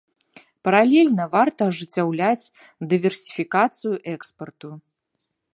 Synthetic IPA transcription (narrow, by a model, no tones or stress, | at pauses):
pɐɾalʲɛlʲnɐvart̪ɐːʐɨt͡sʲːawlʲat͡sʲ | d̪ɨvʲɛrsʲi̥fʲikat̪sɨjuʔɛkspɐrt̪u